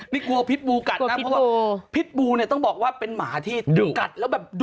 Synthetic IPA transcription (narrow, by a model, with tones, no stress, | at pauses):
niː˥˩ku˧ɐpʰi˦˥t̪̚buː˧ka˨˩na˦˥pʰɔ˦˥waː˥pʰi˦˥t̪̚buː˧ni˥˩ɐt̪ɔ˥˩ŋbɔː˨˩k̚waː˥˩pe˧nmaː˩˦t̪ʰiː˥˩˧ka˨˩t̪̚lɛː˦˥wbɛː˨˩p̚d